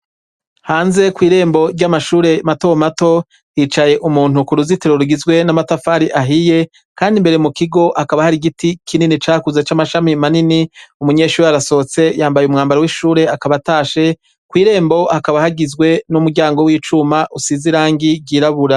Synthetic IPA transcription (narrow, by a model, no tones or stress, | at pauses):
haːnze̞kwiːɾe̞ːmbo̞ɾɟamaʃuːɾe̞mato̞mato̞ | hit͡ʃaje̞ʔumuːn̥ukuɾuziteɾoɾuɡizɡwe̞namatafaːɾiʔaɦije̞ | kaːndimbe̞ɾe̞mukiɡo̞ʔakaβahaɾiɡitikʰininit͡ʃaːkuzet͡ʃaːmaʃamimaniniumuɲe̞ːʃuːɾeaɾaso̞t͡se̞jaːmbajumŋaːmbaɾewiʃuːɾe̞akaβataːʃe̞ | kwiːɾe̞ːmbo̞ʔakaβahaɡizɡwe̞numuɡɟaːŋɡo̞wiːt͡ʃumaʔusiziɾaːŋɡiɟiːɾaβuɾa